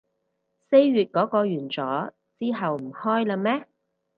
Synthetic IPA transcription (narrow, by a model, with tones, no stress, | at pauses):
se˥jɥyː˨t̚kɔː˨˥kɔː˧ɥyː˨˩nt͡sɔː˨˥ | t͡siː˥ɦɐ˨wm̩˨˩hɔː˥jla˧mɛː˥